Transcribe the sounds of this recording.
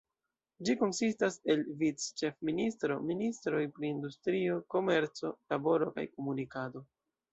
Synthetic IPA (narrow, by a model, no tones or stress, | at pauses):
d͡ʒiko̞nsistase̞lvit͡st͡ʃe̞fministɾo̞̰ministɾo̞jpɾiːndustɾio̞ko̞me̞ɾt͡so̞labo̞ɾo̞ka̰jko̞munikado̞